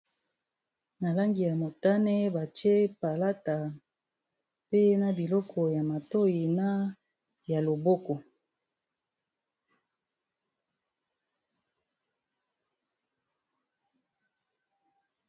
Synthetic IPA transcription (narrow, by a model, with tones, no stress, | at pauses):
na˨la˦ŋɡi˨ja˨mo˨ta˦nɛ˦ba˨t͡ʃe˦pa˨la˦ta˨ | pe˦na˦bi˨lɔ˦kʰɔ˨ja˨ma˨to˦ji˨na˦ | ja˨lo˨bɔ˦kɔ˨